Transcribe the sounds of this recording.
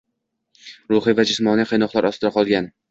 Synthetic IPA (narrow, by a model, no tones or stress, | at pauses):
ɾʊχɨvad͡ʒɪsmɒniqʰɨjnɒqlˠaɾɒst̪ɾaqʰɒlˠɡʲan